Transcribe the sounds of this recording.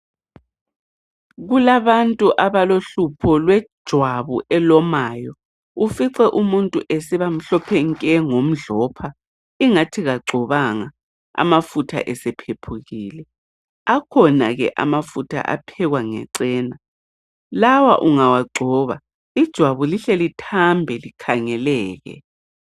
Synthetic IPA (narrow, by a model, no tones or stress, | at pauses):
ɣulaβantʼuʔaβaloɬupʰɔlwɛdd̥ʒ̥ʱwaβuʔɛlɔmajɔ | ufiǀɛʔumuntʼṵʔɛsɛβam̩ɬɔpʰɛŋkʼɛŋom̩ɮɔpʰa | iŋatʰiɣaɡ͡ǀʱɔβaŋa | a̰mafutʰa̰ʔɛsɛpʰepʰuɣiːlɛ | akʰɔna̰ɣɛ̰ʔa̰mafutʰa̰ʔa̰pʰɛɣwaŋɛ̰ǀɛːna | lawa̰ʔuŋawaɡ͡ǀʱɔːβa | id̥ʒ̥ʱwaβuliɬɛlitʰambʱɛlikʰaŋɛlɛːɣɛ̰